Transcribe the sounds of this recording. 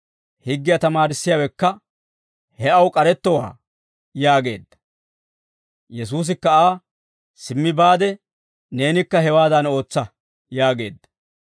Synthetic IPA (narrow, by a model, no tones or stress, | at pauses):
hɪɡːɪjɐt̪ɐmaːɾɪsːɪjaːwɛkːɐ | hɛɐwkʼɐɾɛt̪ːɔwa̰ː | jaːɡe̞ːd̪ːɐ̥ | jɛs̬uːs̬ɪkːɐaː | sɪmːɪbaːd̪ɛ | ne̞ːnɪkːɐhɛwaːd̪ɐno̞ːt͡sːɐ | jaːɡe̞̰ːd̪ːɐ̥